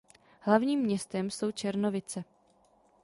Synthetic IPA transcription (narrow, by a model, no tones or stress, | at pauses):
hlavɲiːmːɲɛst̪ɛmso̞wt͡ʃɛɾno̞vɪt͡sɛ